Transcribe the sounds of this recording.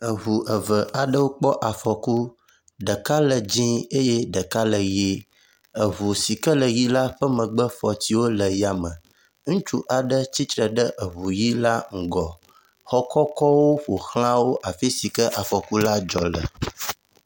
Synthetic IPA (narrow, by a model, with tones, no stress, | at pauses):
ə˨ɦu˨ʔə˨və˨ʔa˨ɖə˦wo˦k͡pɔ˦ʔa˨fɔ˨ku˦ | ɖə˨ka˦lə˨d͡ʑĩ˦e˦je˦ɖə˨ka˦lə˨ji˦ | ə˨βu˨si˨kə˦lə˨ji˦la˦ɸə˦mə̃˨ɡ͡bə˦fɔ˨ti˦wo˦lə˨ja˦mə̃˨ | ŋũ˦t͡ʃu˦ʔa˨ɖə˦t͡ɕi˦t̪ɾə˨ɖə˦ʔə˨βu˨ji˦la˦ŋ̩˨ɡɔ˨ | xɔ˦kɔ˦kɔ˦wo˦ɸo˨xlã˦wo˦ʔa˨fi˦si˨kə˦ʔa˨fɔ˨ku˦la˦d͡ʒɔ˨lə̰˨